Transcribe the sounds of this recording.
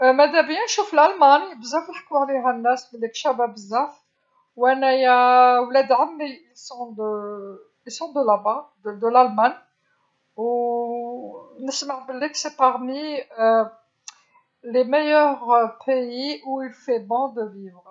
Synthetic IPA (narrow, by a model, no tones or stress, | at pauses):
mæd̪æbjænʃuflalmanibəzːæflħkwʕliɦænːæsbəlikʃæbæbəzːæf | wænæjæwlæd̪ʕamːiilsɔ̃d̪ə | ilsɔ̃d̪əlabad̪əd̪əlalman | u | nəsmaʕbəlːiksepaʁmi | lemejœʁpʰeiʔuilfebɔ̃d̪əvivʁ